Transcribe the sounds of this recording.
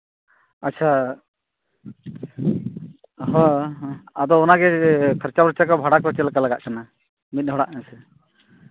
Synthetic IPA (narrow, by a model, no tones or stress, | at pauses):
atːt͡ʃʰa | ɦɔ̃ | ad̪ɔːnaɡɛkʰəɾt͡ʃapɾət͡ʃakɔbʱaɽakɔt͡ʃɛlakalaɡa̰ʔkʰana | mit̪̚ˀɦɔɽaʔnasɛ